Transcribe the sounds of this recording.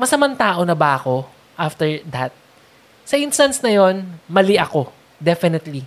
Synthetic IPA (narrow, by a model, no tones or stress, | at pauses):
mɐsɐmɐnt̪aːʔo̞nɐbɐɐko̞ | ʔaft̪ɛɹd̪ɐt̪̚ | sɐʔinst̪ɐnsnɐjo̞nmɐliʔɐko̞ | d̪ɛfɪnɛt̪li